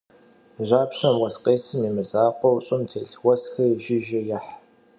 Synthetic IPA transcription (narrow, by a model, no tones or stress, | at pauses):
ʑaːpɕɐmwɐsqʼeːsɨmiːmɨzaːqʷɔwɕʼʊmtʰeːɬwʷɐsxɐʒɪʒɪjɐħ